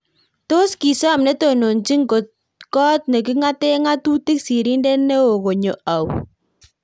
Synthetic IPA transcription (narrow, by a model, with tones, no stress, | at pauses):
to˦ski˨sɔ˦a˨mnɛ˦to˨no˨nt͡ʃi˦ŋɡo˨t̚ | kɔ˦tne˨k̬i˦ŋa˦tɛ˦ŋa˦tu˦ti˦ksi˨ɾi˦ndɛ˦ne˦o˨ko˨ɲo˨a˨w